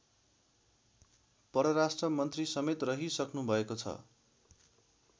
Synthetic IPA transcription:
pʌɾʌɾasʈrʌmʌnt̪risʌmet̪rʌɦisʌknubʱʌekot͡sʰʌ̰

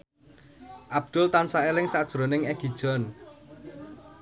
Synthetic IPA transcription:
ʔab̥̚d̪̥ʊlt̪ansaelɪŋsad̥ʒ̥ɾonɪŋɛɡ̥i̤d̥ʒ̥ɔ̤n

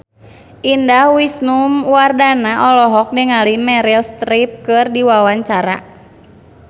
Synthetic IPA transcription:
ʔindahwisnumwardanaʔɔlɔɦɔk̚dɛŋalimɛɾilst̪ɾip̚kɨrdiwawaɲt͡ʃaɾa̰

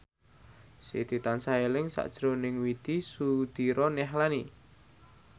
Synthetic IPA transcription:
sḭt̪it̪ansaelɪŋsa̰ʔd̥ʒ̥ɾonɪŋwid̪̥isud̪̥iɾɔnɛɦlani

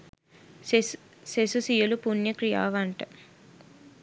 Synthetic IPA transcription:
sesusijulupunjɐkɾija̰ːʋaɳʈɐ

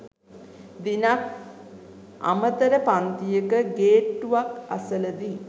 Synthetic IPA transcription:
d̪inak̚ | a̰mət̪əɾəpant̪ijəkəɡeːʈːuʋaka̰sələd̪i

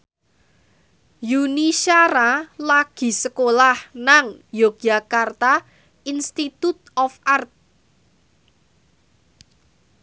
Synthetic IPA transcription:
juniʃaɾalaɡ̥i̤səkolahnaŋjok̚ʒa̤kart̪a | inst̪it̪ut̪̚ɔfʔart̪̚

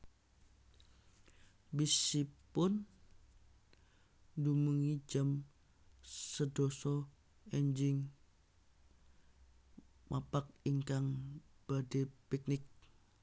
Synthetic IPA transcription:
bisipʊn | dumuŋid͡ʒam | sədɔsɔ | ɛɲd͡ʒɪŋ | mapak̚iŋkaŋb̥adepik̚nɪk̚

